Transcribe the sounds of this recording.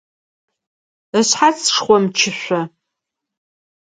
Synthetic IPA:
əɕħat͡sʂχʷɔmt͡ʃʰɪɕʷɐ

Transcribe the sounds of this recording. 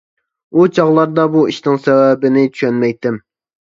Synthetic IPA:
ut͡ʃʰɑʁlˠɑɾd̪ɑbuiʃt̪ɪŋsɛwɛbɪnɪt͡ʃʰy̥ʃɛnmɛjt̪ːɪm

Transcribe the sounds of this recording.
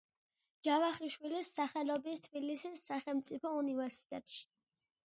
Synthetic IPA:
d͡ʒavaχiʃwilisːaχɛlɔbist̪ʰbilisisːaχɛlˠmt̪sʼipʰɔunivɛɾsi̥t̪ʼɛt̪ʼʃi̥

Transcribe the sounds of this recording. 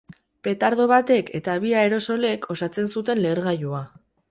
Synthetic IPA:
pe̞t̪aɾðo̞β̞at̪e̞kʰe̞t̪aβ̞iae̞ɾo̞so̞le̞kʰo̞sat͡se̞nsut̪e̞nle̞ːɾɣajua

